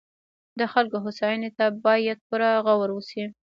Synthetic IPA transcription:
d̪əxalkoɦʊsɑjənet̪abɑjad̪̚puɾaɣawaɾwusi

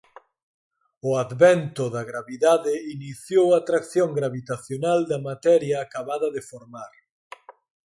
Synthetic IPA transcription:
ʊaðβɛnt̪ʊðɐɣɾaβiðaðɪiniθjowaːt̪ɾakθjoŋɡɾaβit̪aθjonald̪ɐmat̪ɛɾjɐːkaβaðɐðɪfoɾmaɾ

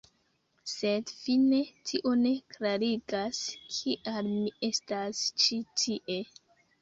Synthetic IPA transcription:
se̞dfine̞tʰiʔo̞ne̞klaɾiɡaskʰiʔalmie̞stast͡ʃitʰiʔe̞

